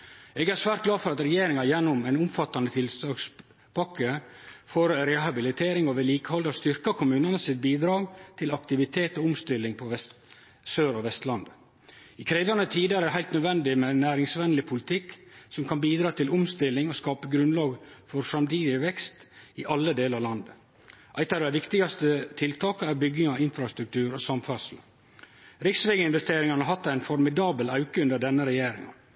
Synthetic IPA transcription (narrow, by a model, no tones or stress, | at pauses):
ɛːɡæɾsʋæːɾt̪̚ɡlɑːfɔɾɑt̪ɾɛjeːɾɪŋɑjɛnːʊmæɪnʊmfɑt̪ːɑnət̪ʰɪlsɑːks | pɑkːəfɔːɾɾɛɦɑbɪlɪt̪ʰeːɾɪŋɔʋɛliːkə̥hɔld̪ɑst̪ʏɾkɑkʰʊmʉːnɑnəsɪt̪̚biːd̪ɾɑːɡt̪ʰɪlɑkt̪ɪʋɪt̪ʰeːt̪ɔʊmst̪ɪlːɪŋpʰɔʋɛst̪ | søːɾɔʋɛst̪lɑnd̪ | ɪkʰɾeːʋɑnət̪ʰiːd̪əæɾɦæɪlt̪nœd̪ʋɛnd̪ɪmɛnæːɾɪŋsʋɛnlɪpʰʊlɪt̪ʰɪkːsɔmkʰɑnbiːd̪ɾɑːt̪ɪlʊmst̪ɪlːɪŋɔskɑːpəɡɾʉnlɑːɡfɔɾsɾɑmt̪ʰiːd̪ɪəʋɛkst̪ɪʔɑlːəd̪eːləɾɑɾlɑnd̪ə | ʔæɪt̪ɑd̪ɛæʋɪkt̪ɪɡɑst̪ət̪ʰɪlt̪ʰɑːkəæɾbʏɡɪŋɑɪnfɾɑst̪ɾʉk̚t̪ʰʉːɾɔsɑmfɑsl̩ | ɾɪksʋeɡəɪnʋɛst̪eːɾɪŋɑnəɦɑt̪ːæɪnfɔɾmɪd̪ɑːbəlɑʉkəʉnd̪əɖɛnːəɾɛjeːɾɪ̰ŋɑ̰